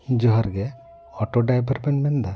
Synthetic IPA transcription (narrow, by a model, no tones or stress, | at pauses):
d͡ʒɔɦɔɾɡɛ | ɔʈoɖajbʱəɾbɛnmɛnd̪a